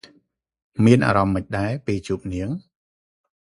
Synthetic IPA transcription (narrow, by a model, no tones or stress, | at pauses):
miənʔa̰ːɾɑmːəc̚ɗaɛpiːt͡ɕuːp̚niəŋ